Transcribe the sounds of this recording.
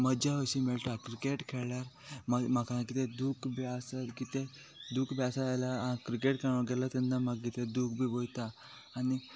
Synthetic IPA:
məd͡ʑaʋəɕimiɭʈ̪akɾikeʈkʰɛɭjaɾ | mamakãkit̪ed̪ukbʱiasəkit̪e | d̪ukbʱjasaajlaakɾikeʈkʰɛɭɡɛlat̪ɛnːamaɡit̪ʰed̪uːkbʱiːbojt̪aː | ni

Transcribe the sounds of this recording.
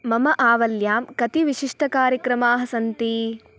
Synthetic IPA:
mɐmɐʔaːʋɐljaːmkɐt̪iʋiʃiʂʈʰɐkaːɾjɐkɾɐmaːɦɐsɐnt̪i

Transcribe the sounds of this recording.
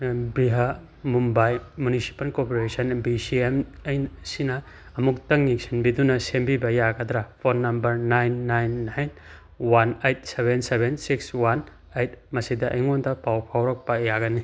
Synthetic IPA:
bɾiɦa | mumbajmunisi̥pɐlkopoɾesɐnbisiemɐjnsinɐː | muktɐŋːiksʰinbidunɐsembibɐjaɡɐdɾapʰonːɐmbɐɾnajnːajnːajn | wanejt̚sebensebensikswan | ejt̚ʰmɐsidɐʔjŋondɐpawpʰawɾɐk̚pɐjaɡɐni

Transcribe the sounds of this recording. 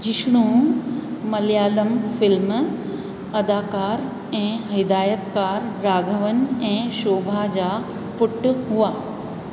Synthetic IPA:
d͡ʑɪʃɽ̃ũː | mɐljaːləmfɪlm | ɐd̪aːkaːɾ | ɛ̃ːɦɪd̪aːjət̪kaːɾːaːɡʱəʋənɛ̃ːʃoːbʱad͡ʑaː | pʊʈːɦuaː

